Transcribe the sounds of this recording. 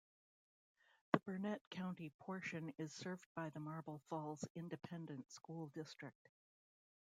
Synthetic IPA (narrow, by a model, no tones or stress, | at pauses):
ðɨbə˞nɛt̚kʰãʊ̃ntipʰɔɹʃɨ̃nɪz̥sɜ˞v̚baɪðəmɑɹbl̩ˠfɔlˠz̥ɪ̃ndɨpʰɛ̃ndɨ̃ntskulˠdɪstɹ̥ɨk̚t̚